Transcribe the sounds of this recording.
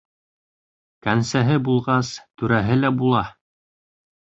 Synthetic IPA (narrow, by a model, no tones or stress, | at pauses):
kænsæɦɘbulˠʁɑst̪ʉɾæɦɘlæbulˠɑ